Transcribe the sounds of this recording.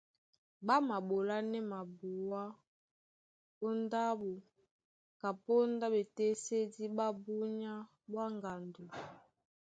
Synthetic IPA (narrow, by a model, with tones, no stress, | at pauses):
ba˦ma˨ɓo˨la˦nɛ˦ma˨bu˨wa˦ | o˦nda˦bu˨ | ka˨po˦nda˦be˨te˦se˦di˦ba˦bu˦ɲa˦ | bwa˦ŋɡa˨ndu˨